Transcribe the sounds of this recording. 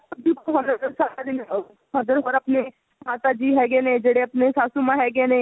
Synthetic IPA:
səb̚d͡ʒikʰoɦə̃d̪əsaːɾad̪ɪn | ɦəd̪əɾɦoːɾəpne | ɦaːt̪ad͡ʒiːɦɛːɡeneːd͡ʒeːɽeɐpnesaːsumãɦɛːɡeːneː

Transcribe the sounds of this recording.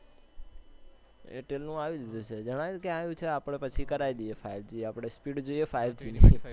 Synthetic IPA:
ḛʈelnũaʋilid̪ʱũt͡ʃʰed͡ʒəɽ̃aʋjkeãjũt͡ʃʰeapəɽ̃epət͡ʃʰikəɾaid̪iefaild͡ʒieapəɽ̃espiɖd͡ʒoiefaild͡ʒine

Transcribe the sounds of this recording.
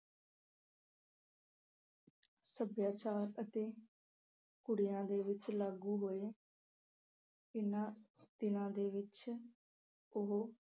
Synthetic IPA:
səbjaːt͡ʃaːɾət̪eː | kʊɽɪjãːd̪eːʋɪt͡ʃlaːɡuːɦoːeː | ɪnãːt̪ɪnãːd̪eːʋɪt͡ʃ | ʊɦo

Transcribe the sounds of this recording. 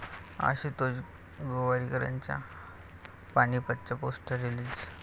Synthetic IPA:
a̰ɕiːt̪od͡ʑ | ɡoʋaɾikəɾa̰ɲt͡ɕja̰ | paɽ̃ipət̪ːt͡ɕaposʈəɾiliːd͡z

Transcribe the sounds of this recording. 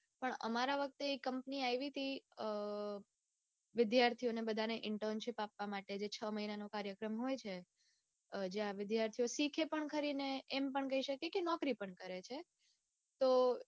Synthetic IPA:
pəɳə̰maɾaʋək̚t̪eːkəmpniajʋit̪ʰi | ʋɪd̪jaɾt̪ʰionebəd̪ʱaneʔɪɳʈənʃɪpapʋamaʈed͡ʒet͡ʃʰəməɦinanokaɾjəkɾəmɦojt͡ʃʰe | d͡ʒeaʋɪd̪jaɾt̪ʰijosikʰepəɳkʰəɾineːmpəɳkəɦiʃəkekenɔkɾipəɳkəɾet͡ʃʰe | t̪o

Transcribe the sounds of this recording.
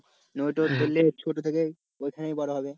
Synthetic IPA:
nojʈoɾt̪elːet͡ɕʰoʈot̪ʰeke | ojkʰanejbɔɽoɦɔbe

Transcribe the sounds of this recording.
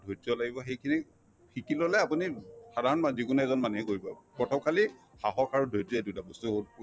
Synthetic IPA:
dʱodɔlaɡibɔxejkʰini | xʰikilolɛapunisadʱaɹɔnmazikunɛzɔnmanuɦɛkoɹibɔpɹɔtʰɔmkʰali | xaɦɔkaɹudʱojzɔedudabɔsʊ

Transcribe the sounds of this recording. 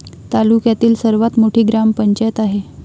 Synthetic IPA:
t̪alukjat̪iːlsəɾʋat̪moʈʰiːɡɾampəɲt͡ɕajət̪aɦe

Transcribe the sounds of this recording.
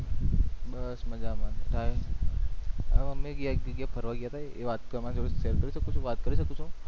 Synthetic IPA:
bəsməd͡ʒamanʈ̪ʰaj | ə̰ʋəmẽɡjaiɡjapʰəɾʋaɡjat̪ʰajeʋat̪kəɾmãd͡ʒəɾuʃeɾkəɾiʃəkut͡ʃʰũʋat̪kəɾiʃəkũt͡ʃʰũ

